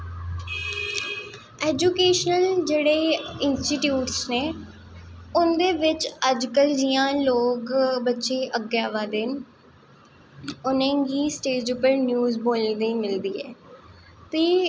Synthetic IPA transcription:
ɛːd͡ʒukeːʃnəld͡ʒeːɽeːɪnsʈiːʈjuːʈsneː | ʊnd̪eːʋɪt͡ʃəd͡ʒkəld͡ʒɪjãːloːkbətːʃeːʔəɡjaːʋaːd̪ɪn | ʊnẽːɡiːsʈeːʈd͡ʒʊpːəɾnjuːzboːld̪iːmɪld̪iːɛː | t̪eː

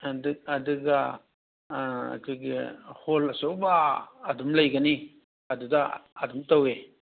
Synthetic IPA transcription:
adɐduɡa | a̰kʰojɡiholɐsowbaːdumlɐjɡɐni | ɐdudaːdumtawe

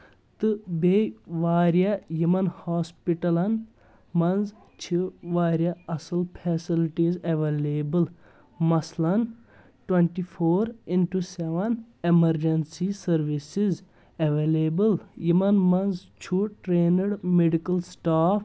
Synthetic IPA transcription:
t̪ɨbeʋaːɾijɐjimɐnhaːspiʈɐlɐn | mɐnz | t͡ʃʰiʋaːɾjɐɐsilpʰɛsilʈizeʋeleːbɨl | mɐslɐn | ʈweɳʈipʰoːɾinʈuseʋɐnemɐɾd͡ʒɐnsisɐɾʋisiz | eʋeːlebɨljimɐnmɐnzt͡ʃʰuʈɾeːnɐɽmeɖikɐlsʈaːpʰ

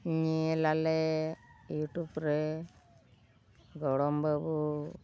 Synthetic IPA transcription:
ɲielale | juʈupɾe | ɡɔɽɔmbabu

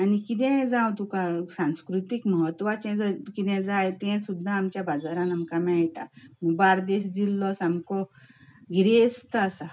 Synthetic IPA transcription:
anikit̪̬ɛ̃d͡zãwt̪ũkasãnskɾut̪ikməɦət̪ʋat͡ɕɛ̃d͡zəkit̪ɛ̃d͡zajt̪ɛ̃sud̪ʱːaːmt͡ɕjabad͡zaɾãnamkamɛɭʈaməɡbaɾd̪eɕd͡zilːɔsamkɔ | ɡʱiɾest̪əasa

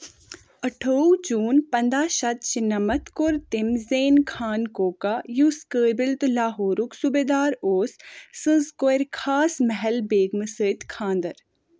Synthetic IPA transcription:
ɐʈʰoːwd͡ʒuːnpɐnd̪aːʃɐt̪̚t͡ʃinɐmɐt̪koɾt̪ɪmzeːnkʰaːnkoːkajuskəːbɪlt̪ɨlaːɦoːɾuksubeːd̪aːɾoːsːɨ̃zkoeɾkʰaːsmɐɦɛlbeːɡmɨsəːt̪kʰãːnd̪ɐɾ

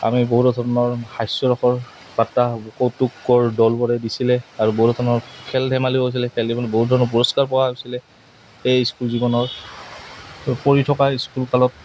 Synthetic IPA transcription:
a̰miboɦutɔdʱɔɹɔnɔɹxajsɔɹɔxɔɹ | batːaɔkowtukɡɔɹdɔlbɔɹɛdisilɛaɹuboɦutɔdʰɔɔnɔɹkʰɛldɛmaliɦojs̬ilɛkʰɛldibɔnɔboɦut̚dʱɔɹɔnɔp̬uɹɔskaɹpɔwaosilɛ | ejskulzibɔnɔɹ | poɹitʰɔkaiskulkalɔt̚

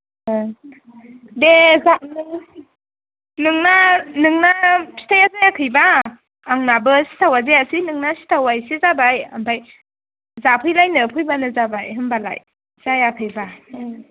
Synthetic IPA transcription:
dezan | nɯŋnanɯŋnasʰi̥tʰajazajakʰɯjbaː | ŋnabɯsi̥tʰawazeasinɯŋnasi̥tʰawajsizabajampʰaj | zapʰɯjlajnɯpʰɯjbanɯzabajɦɯmbala̰j | z̥ajakʰɯjba

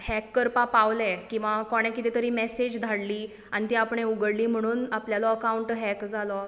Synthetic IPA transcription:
hɛkːəɾpapaʋlɛ̃kĩw̃ʋakɔɽ̃ɛ̃kit̪it̪əɾiːmɛsed͡ʑd̪ʱaɽliː | añit̪iapɳ̃euɡəɽliːm̤əɽ̃uːnapljalɔəkauɳʈɦɛkd͡zʱalɔ

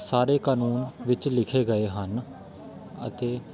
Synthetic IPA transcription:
saːɾeːkaːnuːnʋɪt͡ʃlɪkʰeːɡəeːɦən | ə̰t̪eː

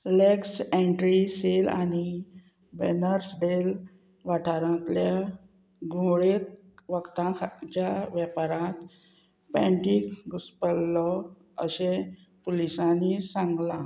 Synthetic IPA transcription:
leksẽɳʈɾisela̰ni | bḛnəɾsɖel | ʋaʈʰaɾãt̪lja | ɡõɭet̪̚ | ʋəkt̪ãt͡ɕjaʋjapaɾãt̪ | pɛ̃ɳʈikɡuspəlːɔ | əɕẽ | polisãnisãŋɡla

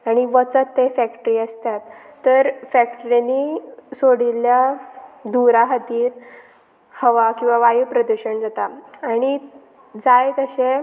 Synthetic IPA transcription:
aɽ̃iʋət͡sət̪ːefækʈəɾiːəst̪at̪ːəɾfækʈəɾanisoɽiljad̪uɾaɦət̪iːɾ | həʋakĩw̃ʋaʋajupɾəd̪uɕəɳd͡zat̪aːɽ̃i | d͡zajt̪əɕe

